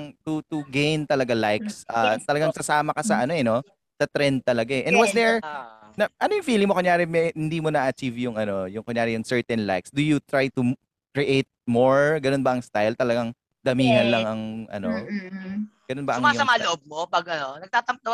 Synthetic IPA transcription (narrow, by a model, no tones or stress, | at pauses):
ŋt̪ut̪ʊɡejnt̪ɐlɐɡalajksʔat̪ɐlɐɡaŋsɐsaːmɐkɐsɐʔɐno̞ʔɛno̞ | sɐt̪ɾɛnd̪̚t̪ːɐlɐɡaɛʔɛ̃nwɐsd̪ɛɹnɐʔɐnojʊŋfiːlɪŋmokoŋjaːɾɛmɛhɪnd̪iːmonɐʔːʔɐt͡ʃivjʊŋɐno̞jʊŋkoŋjaːɾɛjʊŋsɛɹt̪ɛnla̰jksd̪ʊjʊt̪ɾajt̪u | kɹɛʔejt̪̚moɹɡɐnonbɐʔɐŋst̪ajlt̪ɐlɐɡaŋ | d̪ɐmiːŋɐnlɐŋɐŋʔɐ̰no | ɡ̥ɐnonbɐʔsɐʊŋmaasɐmaloʔob̚mopɐɡɐnonɐɡ̚t̪aːt̪ɐmb̚d̪ɐw